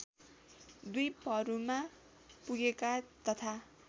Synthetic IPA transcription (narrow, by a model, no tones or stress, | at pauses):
d̪ujpʌɾuma | puɡekat̪ʌt̪ʰa